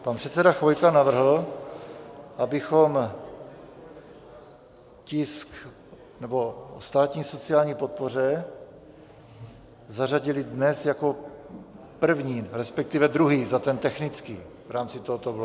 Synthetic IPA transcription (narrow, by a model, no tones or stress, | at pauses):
panpr̥ɛt̪t͡sɛdaxojkanavr̩ɦl̩ | ʔabɪxo̞m | cɪsk | nɛbo̞ost̪aːt̪ɲiːso̞t͡sɪaːlɲiːpo̞t̪̚por̝ɛ | zaraɟɪlɪdnɛsjako̞ | pr̩vɲiːɾɛspɛk̚t̪ɪvɛd̪ɾuɦiːzat̪ɛnt̪ɛxnɪt͡skḭː | vɾaːmt͡sɪt̪oɦot̪obl